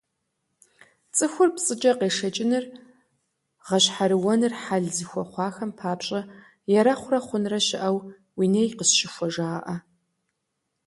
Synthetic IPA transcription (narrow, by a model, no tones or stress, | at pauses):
t͡sʼɨxʷʊrpt͡sʼɨt͡ʃʼɐqeːʂɐt͡ʃʼɪnɨr | ʁɐɕħaɾɨwɔnɨrħaɮzixʷɔχʷɑːxɐmpʰaːpɕʼɐ | jɛɾɐχʷʊrɐχʷʊnrɐɕɪʔɐw | wiːnɐjqəsʃɪxʷɔʒaːʔɐ